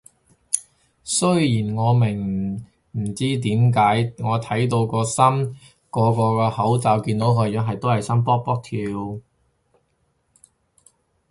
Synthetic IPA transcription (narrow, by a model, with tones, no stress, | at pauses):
sɵ˥ɥjiː˨˩nŋɔː˨˧mɪ˨˩ŋ | m̩˨˩t͡siː˥t̪̬iː˨˥mkaː˨˥jŋɔː˨˧t̪ʰɐ˨˥jt̪̬o˧wkɔː˧sɐ˥m | kɔː˨˧˥kɔː˧kɛː˧hɐ˨˥wt͡saː˨˧wkiː˧nt̪o˨˥wkʰɵ˨˧ɥjœː˨˥ɦɐ˨jt̪o˥whɐ˨jsɐ˥mpɔː˥k̚pɔː˥k̚t̪ʰiː˨˧w